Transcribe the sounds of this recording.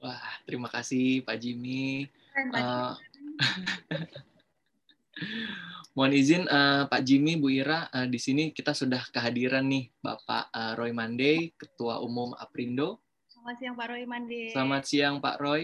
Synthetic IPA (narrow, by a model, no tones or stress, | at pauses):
wahht̪əɾimakasɪhpaʔd͡ʒimi | ə | muanizɪnəpaʔd͡ʒimibuiɾaʔədisinikit̪asudahkəɦadiɾanːɪhba̰pa̰ʔəɾojmandejkə̥t̪ua̰ʔumʊma̰pɾindo | samasiaŋpaiadsəlamat̪̚siaŋpa̰ʔɾoj